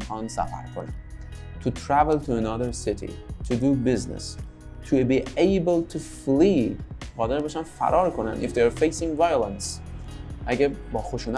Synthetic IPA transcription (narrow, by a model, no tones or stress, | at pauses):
kɑːnsæ̰fæ̰ɾkʰonæ̰n | t̪ʰut̪ʰɾævelˠt̪ʰuenɔðəɾsɪt̪ʰḭt̪ʰud̪ubiznḛs | t̪ʰubiːejbəlt̪ʰuflidʁɒːd̪eɾbeʃænfæ̰ɾʔɒːɾkʰonæ̰nifd̪eɾfejsĩŋɡvajolˠãns | ʔæɡʲebɒːxoʃuːn